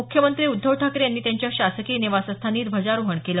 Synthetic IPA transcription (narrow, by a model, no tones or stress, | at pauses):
ukʰjəmənt̪ɾiːud̪ʱːəʋʈʰakɾejanːiːt̪jaɲt͡ɕjaɕasəkiːneʋasəst̪ʰaniːt̪bʱəd͡zaɾuɦəɳkelə